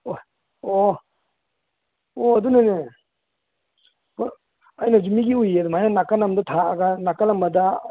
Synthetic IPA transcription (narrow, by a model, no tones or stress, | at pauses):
o | o | oɐdunane | p | ajnad͡ʒimiɡiujɐdumajnɐnakɐnɐmdɐtʰaːɡanakalɐmbɐda